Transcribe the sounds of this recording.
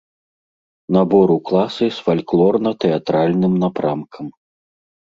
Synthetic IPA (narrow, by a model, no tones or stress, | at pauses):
nabɔɾuklˠasɨsfalʲklˠɔrnɐt̪ɛat̪ɾalʲnɨmnapɾamkʰɐm